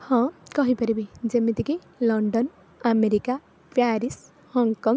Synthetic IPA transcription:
hɔ̃kʌɦipəɾebid͡ʒemet̪iki | lɔɳɖɔn | ameɾika | pʰjaɾis | hɔŋkɔŋ

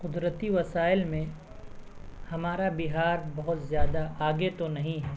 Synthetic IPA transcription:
qʊd̪ɾət̪iʋɐsaːɪlmẽ | hɐmaːɾabɪɦaːɾbɐɦʊt̪zjaːd̪aʔaːɡet̪onɐɦĩɦɛː

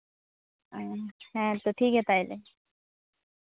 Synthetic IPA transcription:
hɛ̃t̪oʈʰiːkɦɛt̪aile

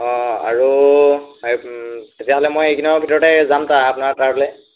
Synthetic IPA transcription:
ɔ̃a̰ɹu | tetijaɦɔlɛmojejkʰinɔbʱitɔɹɔtɛzamtaapʊnaɹtaɹbɔlɛ

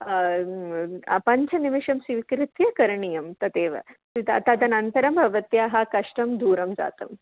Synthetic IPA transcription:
ɐ̰pɐɲt͡ʃʰɐnimiʂɐmsiʋkɾɪt̪jɐkɐɾɳijɐmt̪ɐt̪eːʋɐ̰sit̪ɐ̰t̪ad̪ɐnɐnt̪ɐɾɐmbʱɐʋɐt̪jaːɦɐkɐʂʈɐmd̪ʱuːɾɐmd͡za̰ːt̪ɐm

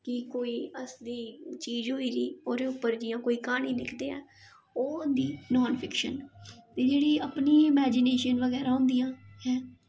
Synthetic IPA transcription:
kɪkoːiːəsd̪iːt͡ʃiːd͡ʒɦoːiːɾiːoːɾeːʊpːəɾd͡ʒɪjãːkoːiːkaːɳ̃ĩːlɪkʰd̪eːɛ̰ː | oːʊnd̪iːnɔːnpʰɪkʃə̰nt̪eːd͡ʒeːɽiːəpniːɪmɛːd͡ʒɪneːʃənʋəɣɛːɾaːɦʊ̃ːnd̪ijãːɦɛː

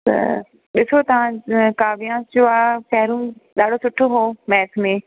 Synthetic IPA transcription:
t̪ɐ̰ | ɗɪsot̪ɐʋ̤ãkaːʋijãːsd͡ʑoːaːkɛːɾũɗaːɖʱosʊʈʰoɦoːmɛːt̪ʰmẽ

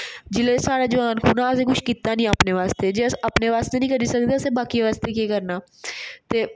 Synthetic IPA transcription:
d͡ʒɪleːsaːɽaːd͡ʒəʋaːnkʰuːnaːəseːkʊʃʰkit̪ːaːnĩːapneːʋaːst̪eːd͡ʒeːəsapneːʋaːst̪eːnĩːkəɾiːsəkd̪eːəseːbaːkiʋaːst̪eːkeːkəɾnaː | t̪eː

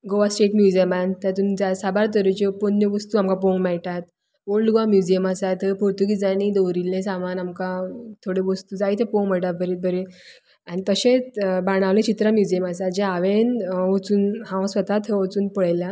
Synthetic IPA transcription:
ɡoʋasʈeʈmjud͡ʑəmant̪jãt̪̬uːnd͡zasabaɾt̪̬əɾut͡ɕeponjeʋəst̪uamkapõŋɡmɛɭʈat̪ | ʋoɭɖɡʋamjud͡ʑijəmasajt̪əpoɾt̪ukid͡zañid̪owɾilːẽsamanamkat̪ʰoɽeʋəst̪uːd͡zait̪ʰepoŋɡm̤əʈat̪̚bəɾet̪̚bəɾẽ | anit̪əɕẽt͡sbaɽ̃aʋlẽt͡ɕit̪ɾamjud͡ʑiəmasat̪̚d͡ʑẽaʋenʋot͡suːnɦãw̃sʋət̪at̪ʰeʋət͡suːnpəɭajla

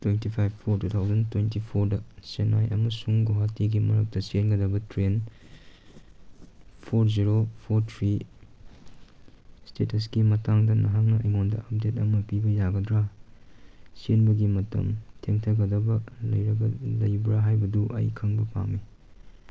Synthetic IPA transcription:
twentipʰajbpʰːoɾtut̪ʰawzɐntwentipʰoɾdɐsenajʔɐmɐsuŋɡoɦatiɡimɐɾɐk̚tɐsenɡɐdɐbɐtɾen | pʰoɾziɾopʰoɾtʰɾi | stetʰɐs̬kimɐtaŋdɐnɐɦaŋnɐɐ̰jŋondɐ̰ʔɐp̚detɐmɐpibɐjaɡɐdɾa | senbɐɡimɐtɐ̰mtʰeŋtʰɐɡɐdɐbɐlɐjɾɐɡɐlɐjbɾaɦajbɐduʔɐ̰jkʰɐŋbɐpʰa̰ŋmi

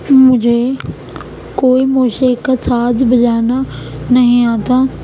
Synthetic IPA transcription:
mʊ̃d͡ʑʱe | koːimoːʃekəsaːzbɐd͡ʒaːnanɐɦĩãːt̪ãː

